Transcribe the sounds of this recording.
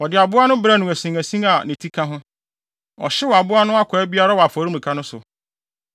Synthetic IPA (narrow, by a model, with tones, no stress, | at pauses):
wɔ˨dɪ˨a˨bʊ˦a˦nʊ̃˦bɾa˦nʊ̃˨æ˨sĩ˨ŋæ˨sĩ˦a˨nɪ̃˨tʰi˦kʰã˦ɦʊ̃˦ | ɔ̰˨ɕɪ˦wɔ˨a˨bʊ˦a˦nʊ̃˦a˦kʰʷɔ˨ɛ˦bi˦a˦ɾa˦wɔ˨a˨fɔ˨˦ɾi˦mĩ˨kʰa˦nʊ̃˦sʊ˨